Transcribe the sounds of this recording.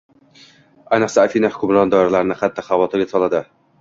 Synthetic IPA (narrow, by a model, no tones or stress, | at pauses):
ajnɨqsaːfinahʊ̥kʰʲʊmɾɒnd̪ɒjɪɾalaɾɪnɪqʰat̪ʰːaχavɒt̪ʰɪɾɡʲasɒlˠad̪ɪ